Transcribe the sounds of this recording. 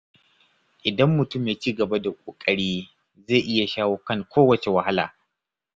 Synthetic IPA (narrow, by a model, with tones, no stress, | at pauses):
ʔɪ˨dɐ˦mːʊ˨tʊ˦mjeː˨t͡ʃiː˦ɡɐ˨ba˦da˨kʷʼoː˨kʼɐ˦ɽiː˦ | ze˦˨ʔɪ˦ja˨ʃaː˦wo˦kɐ˦˨ŋkʷoː˦wɐ˨t͡ʃe˨wɐ˨ha˦la̰ː˨